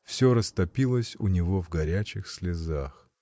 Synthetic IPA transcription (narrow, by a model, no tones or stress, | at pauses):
fsʲoɾəst̪ɐpʲilˠəsʲʊ̰nʲɪvo̞vɡɐɾʲæt͡ɕɪxsʲlʲɪzax